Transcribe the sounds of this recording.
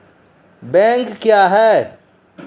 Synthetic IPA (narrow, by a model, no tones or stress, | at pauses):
bɛ̃ːŋkːjaːɦɛː